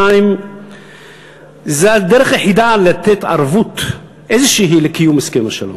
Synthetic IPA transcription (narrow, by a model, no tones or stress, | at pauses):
aim | zead̪eʁeχjeħid̪alat̪et̪a̰ʁvut̪ | ʔejzeʃeɦilekijumeskemaʃelo̰